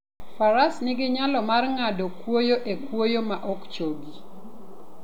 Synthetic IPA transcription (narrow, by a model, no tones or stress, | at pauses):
faɾasnɪɡɪɲalɔmarŋadokwojoʔekwojomaʔɔkt͡ʃoɡi